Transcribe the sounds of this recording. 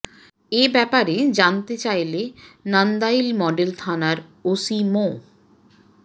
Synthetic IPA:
ebɛpaɾed͡ʑant̪et͡ɕajlenand̪ailmɔɖelt̪ʰanaɾosimo

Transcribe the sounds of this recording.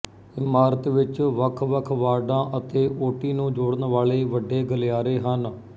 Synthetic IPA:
ɪmaːɾət̪ʋɪt͡ʃʋəkʰʋəkʰʋaːɖãːʔət̪eːʔoːʈiːnũːd͡ʒoːɽənʋaːɭeːʋəɖeːɡəlɪjaːɾeːɦən

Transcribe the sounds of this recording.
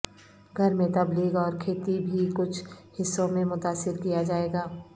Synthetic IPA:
ɡʱɐɾmẽt̪ɐbliːɡɔːɾkʰeːt̪ibʱikʊt͡ʃʰhɪsːõmẽmʊt̪aːsɪɾkijad͡ʒaːeːɡaː

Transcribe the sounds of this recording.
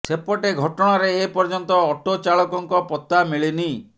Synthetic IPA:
sepɔʈeɡʱɔʈɔɽ̃aɾeːpɔɾd͡ʒɔnt̪ɔːʈot͡ʃaɭɔkɔŋkɔpɔt̪amiɭini

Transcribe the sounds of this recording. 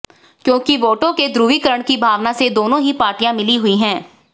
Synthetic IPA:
kjõːkiʋoːʈõked̪ɾuːʋikəɾəɽ̃kibʱaːʋnased̪oːnõɦipaːɾʈijãmɪliɦʊiɦɛ̃ː

